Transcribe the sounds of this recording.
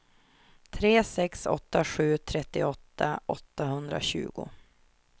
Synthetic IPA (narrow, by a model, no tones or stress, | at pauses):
t̪ʰɾeːsɛksɔ̰t̪ːaɧʉ̟ːt̪ʰɾɛt̪ːɪɔt̪ʰːaʔɔt̪ːahɵnd̪ɾa̰ɕʉ̟̰ːɡʊ̰